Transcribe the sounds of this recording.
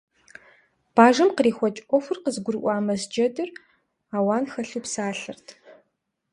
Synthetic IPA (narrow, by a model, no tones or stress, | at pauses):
b̥aːʒɐmqəriːxʷɔt͡ʃʼʔʷɔfʷʊrqəzɨɡʷʊɾɨʔʷɑːmɐzd͡ʒɐdɨr | aːwaːnxɐɬuːpsaːɬɨrtʰ